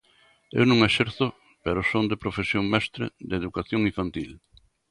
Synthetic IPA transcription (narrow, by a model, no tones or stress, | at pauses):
ḛwnõŋeʃɛɾθʊ | peɾʊsond̪epɾofesjoŋmɛst̪ɾɪ̰d̪eðukaθjoŋĩɱfant̪il